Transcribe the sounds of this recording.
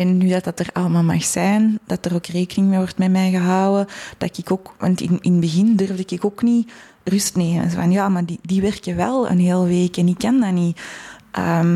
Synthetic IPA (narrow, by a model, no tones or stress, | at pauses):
ɛnːydɑtɑtərɑ̰lˠəmaːlˠma̰xsɛːjnd̥ɑtəroːkreːkənɪŋmeːʋɔrtmɛmɛjɣəɦɑwəd̥ɑɪkɪkoːkʋɑ̰ntɪ̰nɪnbəɣɪndʏrvdəkɪkoːkni | rʏstneːmə̰vɑnjaːmadidiʋɛrkəʋɛ̰lˠə̰nɦeːlˠʋeːkɛnikːɑndɑniʔə̰ːm